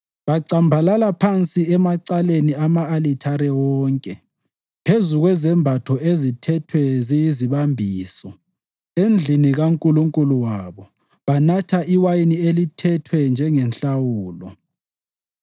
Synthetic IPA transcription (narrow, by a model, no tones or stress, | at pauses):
βaǀambʱalalapʰant͡sʼiɛmaǀaleniamaːlitʰaɾɛwɔːŋkʼɛ | pʰezuɣwɛzɛmbʱatʰɔezitʰɛtʰwɛzijiziβambʱiːsɔ | end͡ɮʱiniɣaŋkʼuluŋkʼuluwaβɔ | βanatʰaiwajinielitʰɛtʰwɛnd͡ʒʱɛŋɛnɬawuːlɔ